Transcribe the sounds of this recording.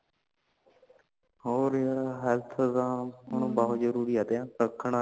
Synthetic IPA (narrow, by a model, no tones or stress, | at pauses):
hoːɾɦɛlt̪ʰd̪ãːəɳ̃ũːbəːʊd͡ʒəɾuːɾiːaːt̪ẽːɾəkʰːəɳaː